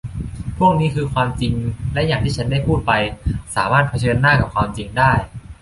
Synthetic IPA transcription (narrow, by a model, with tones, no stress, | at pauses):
pʰu˥˩əŋ̚niː˦˥kʰɯː˧kʰwaː˧mt͡ɕi˧ŋlɛ˦˥ʔjaː˨˩ŋt̪ʰiː˥˩a˦˥nda˥˩jpʰuː˥˩t̪̚pa˧jsaː˩˦maː˥˩t̪̚pʰa˧t͡ɕʰɤː˧nːaː˥˩ka˨˩p̚kʰwaː˧mt͡ɕi˧ŋdaː˥˩j